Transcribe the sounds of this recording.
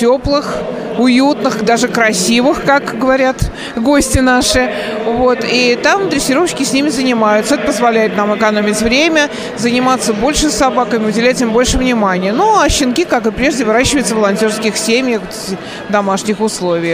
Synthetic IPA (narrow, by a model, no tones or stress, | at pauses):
tʲoplˠɨx | ʊjut̪nɨxd̪aʐɨkɾɐsʲivɨxkakɡəvɐɾʲat̪ | ɡo̞sʲtʲɪnaʂɨ | vot̪it̪amd̪ɾʲɪsʲɪɾofɕkʲɪsʲnʲimʲɪzənʲɪmajʊt̪səɛt̪əpəzvɐlʲæjɪt̪̚namɨkɐnomʲɪtʲvɾʲemʲə | zənʲɪmat̪sːəbo̞lʲʂɨsɐbakəmʲɪʊdʲɪlʲætʲɪmbo̞lʲʂɨvnʲɪmanʲɪjənuɐɕːɪnkʲikakɨpɾʲeʐdʲɪvɨɾaɕːɪvəɨɪt̪səvəlˠɐnʲtʲo̞rskʲɪxsʲemʲjəxvot̪tʲɪ | vd̪ɐmaʂnʲɪxʊslˠo̞vʲɪj